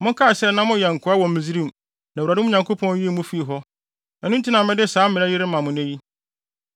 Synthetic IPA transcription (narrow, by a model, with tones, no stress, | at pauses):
mʊ̃˦ŋ˦kʰa˦˨ɕɛ˦˨nã˦mʊ̃˦jɛ˨ŋ̩˨kʰʊ˨˦a˦wɔ̃˨m˦ɪ̃˨zi˦ɾĩ˦m˨ | na˨u˨ɾa˨dʊ̃˦ɲã˨ŋkʰo˦pʰɔ̃˦n˦je˦mũ˦fi˦i˨ɦɔ˦ | ɛ˨nʊ̃˦n˦tʰi˦nã˨mɛ̃˦dɪ˦˨saː˨˦mɪ̃˨ɾa˦jɪ˦ɾɪ˦mã˨mʊ̃˨nɛ̃˦ji˦